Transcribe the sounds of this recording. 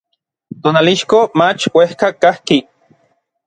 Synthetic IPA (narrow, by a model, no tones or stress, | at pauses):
t̪oːnaliʃkomat͡ʃwehkakahki